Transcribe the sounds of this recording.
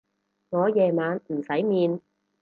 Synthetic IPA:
ŋɔː˨˧jɛː˨˩maː˨˧nm̩˨˩sɐ˨˥jmiː˨˧n

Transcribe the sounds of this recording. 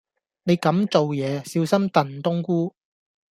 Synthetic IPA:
ne˨˧jkɐ˨˥mt͡so˨wjɛː˨˧siː˧wsɐ˥mt̪ɐ˨˩nt̪ʊ˥ŋkuː˥

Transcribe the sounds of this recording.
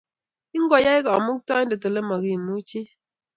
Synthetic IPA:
i˦ŋ˦ɡɔ˨ja˦i˦ka˨ɔ˨mu˦k̚tɔ˦i˦do˨to˨le˦mɔ˨ɡi˦˨mu˦t͡ʃi˦

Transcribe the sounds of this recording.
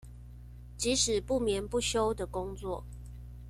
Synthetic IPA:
t͡ɕi˨˦ʂɻ̩˨˩pu˥˨mjɛ˨˦npu˥˨ɕjo˦ʊd̪ə˨kʊ˦ŋt͡swɔ˥˨

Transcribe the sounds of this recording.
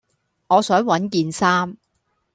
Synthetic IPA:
ŋɔː˨˧sœː˨˥ŋwɐ˨˥nkiː˧nsaː˥m

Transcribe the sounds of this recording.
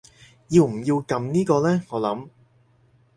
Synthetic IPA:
jiː˧wm̩˨˩jiː˧wkɐ˧mniː˥kɔː˧lɛː˥ŋɔː˨˧lɐ̰˨˥m

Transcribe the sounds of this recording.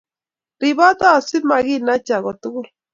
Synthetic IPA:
ɾi˨βa˦t̪a˦˨si˦ma˨ɣi˦na˦t͡ʃa˨ɣɔ˨t̪u˦ɣu˦l

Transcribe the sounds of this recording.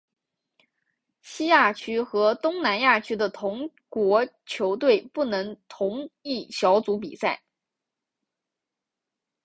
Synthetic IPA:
ɕi˥ja˥˩t͡ɕʰy˥xɤ˧˥t̪ʊ˥ŋna˧˥nja˥˩t͡ɕʰy˥d̪ə˨t̪ʰʊ˧˥ŋ | kwɔ˧˥t͡ɕʰjo˧˥ʊt̪we˥˩ɪpu˥˩nɤ˧˥ŋt̪ʰʊ˧˥ŋi˥˩ɕjɑ˧˥ʊt͡su˧˥p̬ḭ˨˩sa˥˩ɪ

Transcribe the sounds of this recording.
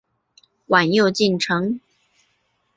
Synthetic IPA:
wa˨˩njo˥˧ʊt͡ɕi˥˩nʈ͡ʂʰɤ˧˥ŋ

